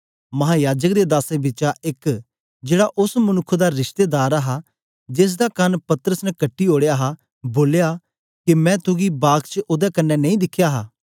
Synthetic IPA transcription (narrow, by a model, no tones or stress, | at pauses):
mɐɦaːjaːd͡ʒək̚d̪eːd̪aːsebɪt͡ʃaʔɪk | d͡ʒeːɽaʔʊsmɐnʊkʰːd̪aɾɪʃt̪eːd̪aːɾaɦa | d͡ʒɪs̬d̪akɐnpɐt̪əɾəsnɛkɐʈːioːɽejaːɦa | boːljaː | kemɛ̃ːt̪ʊɡibaːɡkt͡ʃʔoːd̪ɛkɐnːɛnɐĩd̪ɪkʰːjaːɦa̰ː